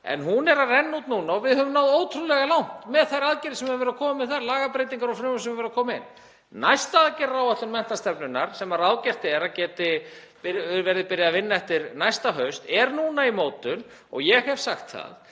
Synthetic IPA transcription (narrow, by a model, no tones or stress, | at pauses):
ɛ̰nɦunɛɾarɛnːut̪nuːnaɔvɪðhœvʏmnaːwðoːwt̪ʰɾunlɛɣalawn̥t̪mɛðθajɾaðcɪɾɪsɛmɛvɛɾðakʰɔːmmɪðθaɾlaːɣapɾejt̪̬iŋkaɾawfɾʏːmʏsɛmavɛɾðakʰɔːmɪɪ̰nː | najst̪aaðcɪrːawaht̪ʏnmɛn̥t̪ast̪ɛpnʏnːaɾ̥sɛmaɾaːwcɛr̥t̪ɪɛɾacɛːt̪ɪ | pɪvɛɾðɪpɪɾjaðavɪnːaɛft̪ɪɾnajst̪aɦœɥst̪ɛɾnuːnaimoːwt̪ʏnɔ̰ɣjɛɣhɛv̥saxt̪θa̰ð